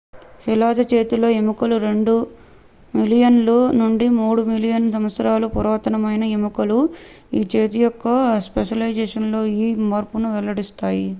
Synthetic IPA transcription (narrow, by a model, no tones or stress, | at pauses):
silaːd̪ɐt͡ʃe̞ːt̪ilo̞ːemukɐluɾe̞ɳɖu | milijɐnlunuɳɖimuːɽumilijɐnsɐmʋɐt̪sɐɾaːlupuɾɔːt̪ɐnɐmɐjnɐemukɐlu | iːt͡ʃeːt̪ijɔkːɐspeʂɐlɐjd͡ʒeːʂɐnlo̞ːiːmɐːɾpunuʋɛlɐɽist̪aːji